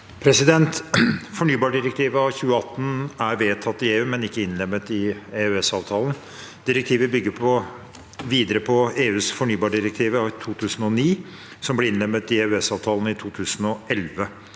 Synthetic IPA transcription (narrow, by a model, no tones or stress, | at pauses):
pʰɾɛsɪd̪ɛnt̪fɔɳyːbɑːɖɪɾɛk̚t̪ʰiːʋəɑʋçʉːəɑt̪ːn̩æɾʋeːt̪ʰɑt̪ːɪeːʉːmɛnɪkːəɪnlɛmːət̪ɪeːʉɛsɑːʋt̪ʰɑːlən̩ | d̪̥ɪɾɛk̚t̪ʰiːʋəbʏɡːəɾpʰɔ | ʋiːd̪əɾəpʰɔeːʉːsfɔɳyːbɑːɖɪɾɛk̚t̪ʰiːʋəɑt̪ʰuːt̪ʰʉːsən̩ɔniː | sɔmblɛɾɪnlɛmːət̪ɪeːʉɛsɑːʋt̪ʰɑːlən̩ɪt̪ʰuːt̪ʰʉːsənɔʔɛlʋə